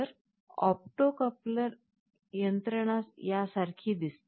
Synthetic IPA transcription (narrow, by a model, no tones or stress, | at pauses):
əɾ | ɔ̰p̚ʈokəpləɾ | jənt̪ɾəɳ̃asjasaɾkʰiːd̪ist̪